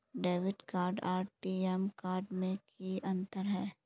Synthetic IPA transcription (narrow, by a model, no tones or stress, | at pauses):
ɖeːʋɪɖkaːɾɖaːɾʈʈiːɛmkaːɾɖmẽkiɐ̃nt̪əɾɦɛː